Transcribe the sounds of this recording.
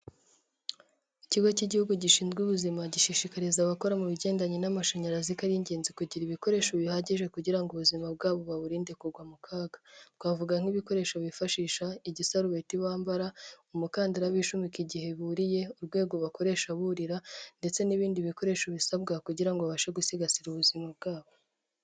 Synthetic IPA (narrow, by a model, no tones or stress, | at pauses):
iciɡociɟihuɡuɟiʃiːnzɡuβuzimaɟiʃiʃikaɾizaβako̞ɾamuβiɟe̞ːndaɲinamaʃaɲaɾazikaɾiɲɟe̞ːnzikuɟiɾiβiko̞ɾe̞ːʃoβihaɟiʒe̞kuɟiɾaŋɡuβuzimab̚ɡaːβoβaβuɾiːnde̞kuɾɡwamukʰaːɡḁtɡwaːvuɡaŋ̥iβiko̞ɾe̞ʃoβifaʃiːʃaiɟisaɾuβetiβaːmbaɾaumukaːndaɾaβiːʃumikiɟihe̞βuɾije̞uɾɡwe̞ːɡo̞βako̞ɾe̞ʃaβuɾiɾande̞t͡se̞niβiːndiβiko̞ɾe̞ːʃoβisabɡakuɟiɾaŋɡoaβaʃeɡusiɡasiɾuβuzimab̚ɡaːβo